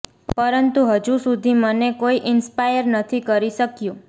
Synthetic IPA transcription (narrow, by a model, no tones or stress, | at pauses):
pəɾənt̪uɦəd͡ʒusud̪ʱimənekoiʔɪnspajəɾnət̪ʰikəɾiʃəkjũ